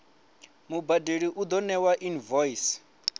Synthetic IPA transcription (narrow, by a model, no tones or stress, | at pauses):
mubadeɺiʔud̪ɔnɛwaʔinvɔis